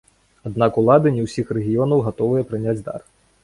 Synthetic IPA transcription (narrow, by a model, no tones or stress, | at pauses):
ad̪nakulˠad̪ɨnʲɛwsʲixrɛɣʲijɔnɐwɣat̪ɔvɨjɐpɾɨnʲad͡zʲd̪a̰r